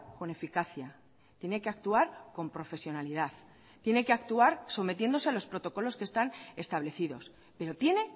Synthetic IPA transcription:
ko̞ne̞fikaθja | t̪je̞ne̞keak̚t̪uaɾko̞mpɾo̞fe̞sjo̞nalið̞aθ | t̪je̞ne̞ke̞ak̚t̪uaɾso̞me̞t̪je̞nd̪o̞sealo̞spɾo̞t̪o̞ko̞lo̞ske̞st̪ane̞st̪aβle̞θiðo̞s | pe̞ɾo̞t̪je̞ne̞

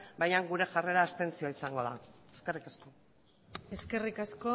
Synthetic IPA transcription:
bajaŋɡuɾe̞ʝare̞ɾaːst̪e̞nt͡sioisaŋɡo̞ða̰eske̞rikasko̞ | e̞ske̞rikasko

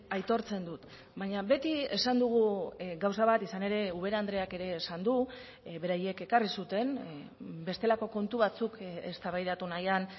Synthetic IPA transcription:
ajt̪o̞ɾt͡se̞nd̪ut̪ | baɲaβe̞t̪ie̞sand̪uɣ̞uɡawsaβ̞at̪isane̞ɾe̞uβ̞e̞ɾand̪ɾe̞ake̞ɾe̞ːsand̪u | βe̞ɾaje̞ke̞karisut̪e̞n | be̞st̪e̞lako̞ko̞nt̪uβat͡sukest̪aβajɾat̪unajan

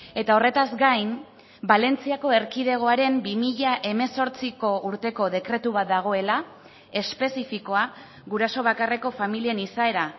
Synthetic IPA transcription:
e̞t̪ao̞re̞t̪azɡajm | bale̞nt͡siako̞e̞ɾkið̞e̞ɣ̞o̞aɾe̞mbimiʎaʔe̞me̞so̞ɾt͡siko̞ʔuɾt̪e̞ko̞ð̞e̞kɾe̞t̪uβ̞at̪̚d̪aɣ̞o̞e̞la | e̞spe̞sifiko̞a | ɣuɾaso̞β̞akare̞ko̞familie̞nisae̞ɾa

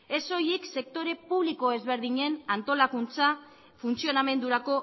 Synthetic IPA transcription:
e̞so̞jikse̞k̚t̪o̞ɾe̞puβliko̞e̞zβe̞ɾðiɲe̞nant̪o̞lakunt͡sa | funt͡sio̞name̞nd̪uɾako̞

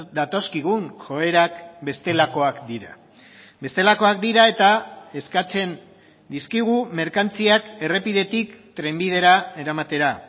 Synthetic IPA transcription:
d̪at̪o̞skiɣ̞unʝo̞e̞ɾakbe̞st̪e̞lako̞akd̪iɾa | be̞st̪e̞lako̞ak̚d̪iɾae̞t̪ae̞skat͡se̞n | d̪iskiɣ̞ume̞ɾkant͡siake̞re̞piðe̞t̪ikt̪ɾe̞mbiðe̞ɾae̞ɾamat̪e̞ɾa

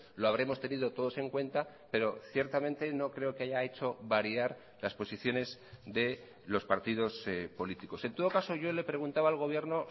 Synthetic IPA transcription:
lo̞aβɾe̞mo̞st̪e̞niðo̞t̪o̞ðo̞se̞ŋkwẽ̞nt̪a | pe̞ɾo̞θjeɾt̪amẽnt̪e̞no̞kɾe̞o̞keaʝae̞t͡ʃo̞βaɾiaɾ | laspo̞siθjo̞ne̞zd̪e̞ | lo̞spaɾt̪iðo̞spo̞lit̪iko̞se̞nt̪oðo̞kaso̞ʝo̞le̞pɾe̞ɣ̞unt̪aβaːlɣ̞o̞β̞je̞ɾno̞

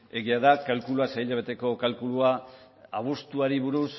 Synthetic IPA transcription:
e̞ɣiaðakalkuluasajʎaβet̪e̞ko̞kalkulua | aβ̞ust̪uaɾiβuɾus

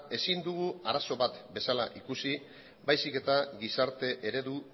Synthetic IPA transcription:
e̞sind̪uɣ̞uaɾaso̞βat̪be̞sala̰ʔikusi | bajsike̞t̪aɣisaɾt̪e̞ʔeɾe̞ðu

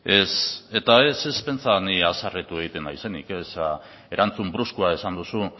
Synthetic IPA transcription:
e̞se̞t̪ae̞se̞spe̞nt͡saniasaret̪ue̞ɣ̞it̪e̞naise̞nḭke̞sa | e̞ɾʔant͡sumbɾuskuae̞sand̪usu

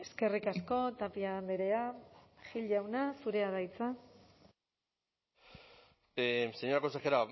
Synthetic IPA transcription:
e̞ske̞rikasko̞t̪apiand̪eɾeaxiʎɟawnasuɾe̞aðajt͡sa | seɲoɾakosaxeɾa

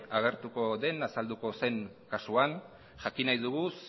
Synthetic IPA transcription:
aɣ̞e̞ɾt̪uko̞ðe̞nasald̪uko̞se̞ŋ | kasuan | ʝakinajðuɣ̞us

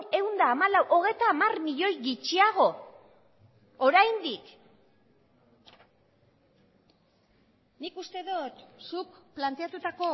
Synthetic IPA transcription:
e̞wnd̪aːmalawʔo̞ɣe̞jt̪aːmarmiʎo̞jɣit͡ʃiaɣ̞o̞ | oɾajnd̪ik | nikust̪e̞ðot̪sukplant̪e̞at̪ut̪ako̞

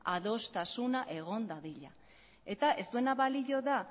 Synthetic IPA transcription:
aðo̞st̪asunaʔe̞ɣ̞o̞nd̪aðiʎa | e̞t̪aʔe̞st̪ue̞naβaliʎo̞ða

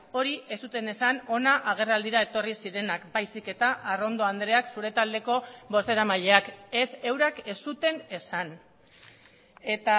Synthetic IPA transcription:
o̞ɾiʔe̞sut̪e̞ne̞sano̞naʔaɣ̞e̞rald̪iɾae̞t̪o̞risiɾe̞nakbajsike̞t̪aʔaro̞nd̪o̞and̪ɾe̞aksuɾe̞t̪ald̪e̞ko̞bo̞se̞ɾamaʎe̞ake̞se̞wɾake̞sut̪e̞ne̞san | e̞t̪a

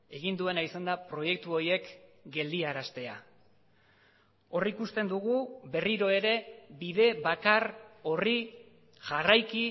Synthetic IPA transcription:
e̞ɣind̪ue̞naisand̪apɾo̞je̞k̚t̪uo̞je̞kɡe̞ld̪iaɾast̪e̞a | o̞rikust̪e̞nd̪uɣ̞ube̞riɾo̞e̞ɾe̞biðe̞βakaro̞ri | ʝarajki

